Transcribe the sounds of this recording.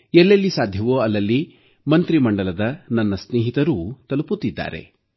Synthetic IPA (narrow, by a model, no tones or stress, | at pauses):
ɛlːelːisaːd̪ʱjɐʋoɐlːɐlːi | mɐnt̪ɾimɐɳɖɐlɐd̪ɐnɐnːɐsneːɦit̪ɐɾut̪ɐluput̪ːid̪ːa̰ːɾe̞̰